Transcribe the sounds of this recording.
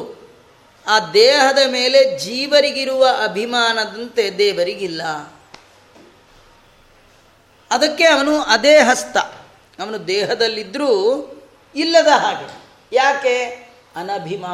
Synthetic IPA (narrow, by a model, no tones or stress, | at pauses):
aːd̪ɛːɦɐd̪ɐmeːle̞d͡ʒiːʋɐɾiɡiɾuʋɐʔɐbʱimaːnɐd̪ɐnt̪ed̪eːʋɐɾiɡilːɐ | ɐd̪ɐkːe̞ɐʋɐnuɐd̪eːɦɐst̪ɐ | ɐʋɐnud̪ɛːɦɐd̪ɐlːid̪ɾuː | ilːɐd̪ɐɦaːɡɐ | jaːke | ɐnɐbʱimaː